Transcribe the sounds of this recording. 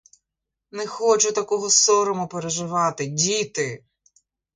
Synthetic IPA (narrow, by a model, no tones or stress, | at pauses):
nɛxɔt͡ʃʊt̪ɐkɔɦɔsɔɾɔmʊpeɾeʒɪʋɑt̪ɪdʲit̪ɪ